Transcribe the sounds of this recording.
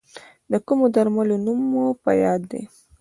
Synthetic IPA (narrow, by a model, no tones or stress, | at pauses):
d̪əkumod̪aɾmalonumːopa̰jɑd̪ːḛ